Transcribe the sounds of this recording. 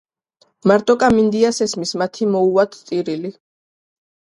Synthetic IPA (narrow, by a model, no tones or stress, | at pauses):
maɾt̪ʼɔkʼamind̪iasɛsmismat̪ʰimɔuat̪ʰt̪sʼiɾili